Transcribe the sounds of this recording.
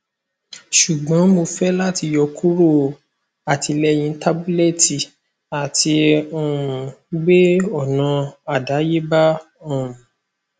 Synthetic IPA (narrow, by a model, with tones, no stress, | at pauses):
ʃu˨ɡ͡bɔ̃˨˦mo˧fɛ˦la˦ti˧jɔ˧ku˦ɾo˦˨ | a˨tʰi˧lɛ˧j̃ĩ˧˦ta˦bu˦le˦˨ti˨ | a˨ti˧o˦˨ũ˨ɡ͡be˦ɔ˦˨nã˨˧a˦˨da˨˦je˦ba˦ | o˦˨ũ˨